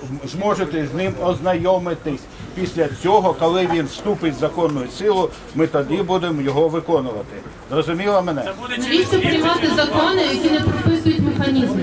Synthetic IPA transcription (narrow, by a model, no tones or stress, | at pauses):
zmɔʒet̪ɛzʲnɪmɔznɐjɔmɪt̪ɪsʲ | pʲisʲlʲɐt͡sʲɔɦɔkɔlˠɪʋʲinst̪upɪtʲzɐkɔnːʊjʊsɪlˠʊ | mɪt̪ɐd̪ibud̪emjɔɦɔʋɪkɔnʊʋɐt̪ɪ | zrɔzʊmʲilˠɐmɛnɛʋʲit͡ʃɔpɾɪjmɑt̪ɪzɐkɔnɪjɐkʲinɛpɾɔpɪsʊjʊtʲmexɐnʲizm